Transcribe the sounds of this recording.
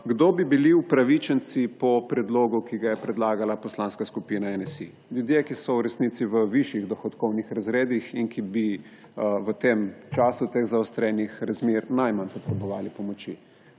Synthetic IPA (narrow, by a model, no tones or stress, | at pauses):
ɡd̪oːbibiliupɾaʋit͡ʃənt̪sipɔpɾɛd̪loːɡukiɡajɛpɾɛd̪laːɡalapɔslaːnskaskupinaɛnɛsḭ | ljud̪jekisɔwɾɛsnit̪siʋəʋiʃjiɣd̪ɔxɔt̪kɔwnixɾazɾeːd̪ixinkibi | ʋət̪emt͡ʃaːsut̪eɣzaɔst̪ɾɛːnjixɾazmeɾnajmanpɔt̪ɾɛbɔʋaːlipɔmɔt͡ʃḭ